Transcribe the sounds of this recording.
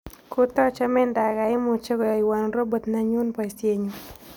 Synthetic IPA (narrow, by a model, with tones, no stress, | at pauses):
ku˦t̪ɔ˦t͡ʃɔ˦mɛ˦nda˨ɡa˨ɪ˦mu˨t͡ʃe˦ɡɔ˨jɔ˨i˨wa˨n˨ɾo˦bo˨t̪na˨ɲu˦npa˨i˨sje˦ɲu˨